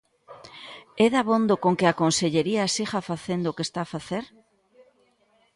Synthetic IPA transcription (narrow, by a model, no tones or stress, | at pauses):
eðaβond̪okoŋkɪakonseʎeɾiasiɣafaθend̪okest̪aːfaθeɾ